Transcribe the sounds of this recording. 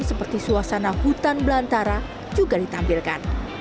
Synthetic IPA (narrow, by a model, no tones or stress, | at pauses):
səpərt̪isuasanahut̪anbəlant̪aɾa | d͡ʒuɡadit̪ampilkan